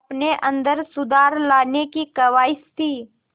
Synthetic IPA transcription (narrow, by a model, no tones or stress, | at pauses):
pneʔə̃nd̪əɾsʊd̪aːɾlaːnekikəʋaːɪst̪ʰiː